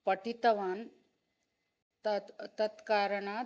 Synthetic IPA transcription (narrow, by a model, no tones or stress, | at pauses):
pəʈit̪ɐʋaːn | t̪ɐt̪ɐt̪kaːɾəɳa